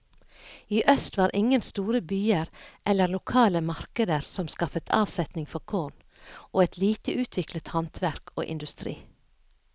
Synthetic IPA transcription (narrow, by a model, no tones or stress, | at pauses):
iːʔœst̪ʋɑːɾʔɪŋənst̪uːɾəbyːəɾʔɛləlʊkʰɑːləmɑɾkəd̪əɾsɔmskɑfət̪ʰɑ̰ːʋsɛt̪nɪŋfɔkʰoːɳ | ʔoːɛt̪ʰliːt̪əʉːt̪ʰʋɪklət̪hɑnt̪ʰʋæɾko̰ːʔɪ̰nd̪ʉst̪ɾḭː